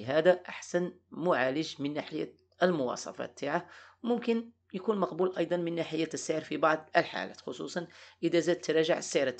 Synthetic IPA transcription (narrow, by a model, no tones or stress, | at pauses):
ɦæd̪æʔaħsæn | mʊʕaləʒmənːaħəjːæ̰ | ʔəlmʊwɑ̰sˤɑ̰fɑ̰t̚t̪ʰːaʕahwmʊmkən | jkunmɑqbulʔɑjd̪ˤɑnmənːaħəjːæsːaʕɑɾˤfibɑʕd̪ˤəlħa̰læ̰t̪xosˤṵsˤɑnʔəd̪æzæd̪̚t̪ːɾˤɑʒaʕəsːəjɾˤɑt̪